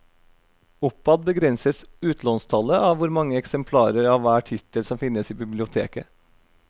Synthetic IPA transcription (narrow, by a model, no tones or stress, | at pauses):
ʊpːɑd̪̚bəɡɾɛnsəsʉːt̪lɔnst̪ʰɑləʔɑʋʋʊɾmɑŋːəɛksɛmpʰlɑːɾəɾɑʋʋæːʈʰɪt̪əlsɔmfɪnːəsiːbɪblɪʊt̪ʰeːkə